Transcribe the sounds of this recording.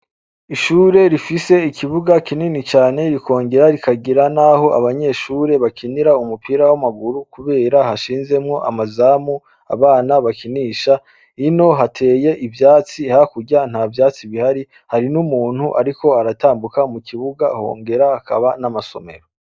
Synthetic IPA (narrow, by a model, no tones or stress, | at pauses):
iʃuːɾe̞ɾifise̞ikʰiβuɡakininit͡ʃaːne̞ɾiko̞ːŋɡe̞ɾaɾikaɡiɾanaɦo̞ʔa̰βaɲe̞ʃuːɾe̞βakʰiniɾaumupiɾawamaɡuɾukuβe̞ːɾahaʃiːnze̞mŋo̞ʔa̰mazaːmu | a̰βaːnaβakiniːʃa | ino̞ɦatʰe̞ːje̞ʔivjaːt͡sihakuɟan̥haːvjaːt͡siβihaɾi | haɾinumuːn̥huʔaɾiko̞aɾataːmbukamukʰiβuɡaho̞̰ːŋɡe̞ɾahːkaβanamaso̞̰me̞̰ɾo